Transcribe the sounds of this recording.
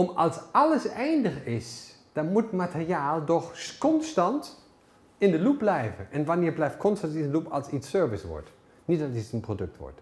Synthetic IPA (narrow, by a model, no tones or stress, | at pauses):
ɔmɑlˠsɑləsɛjndəχɪs | d̥ɑnmutmatərjaːlˠdɔχkɔnstɑnt | ɪndəlup̚blɛjvənʔɛnʋanɪːɹblɛjft̚kʰɔnstɑntɪndəlupɑlˠsisøɹvɪsʋɔ̰ɹt | nitɑisənprodɵk̚tʋɔ̰ɹt